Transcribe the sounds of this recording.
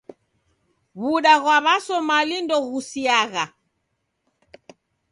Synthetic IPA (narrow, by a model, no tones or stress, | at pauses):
βuɗaɣwaβasɔmalindɔɣusiaɣa